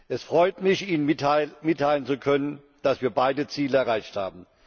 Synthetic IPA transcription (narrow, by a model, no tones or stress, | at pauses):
ʔɛsfʁ̥ɔʏtmɪçiːnəmɪtʰaɪlənt͡sukʰœnən | d̥asv̥iːɐbaɪdət͡siːləɛɐʁaɪçtha̰ːbm̩